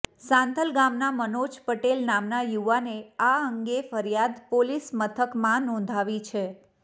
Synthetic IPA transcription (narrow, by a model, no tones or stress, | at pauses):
sãnd̪ʱəlɡamnamənod͡ʒpəʈelnamnajuʋaneaəŋɡefəɾjad̪polismət̪ʰəkmãnɔ̃nd̪ʱaʋit͡ʃʰe